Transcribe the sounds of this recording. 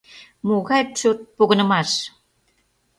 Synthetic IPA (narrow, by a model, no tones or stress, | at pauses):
muɣɑjtt͡ɕot̪̚poɣɤ̆nə̆mɑʃ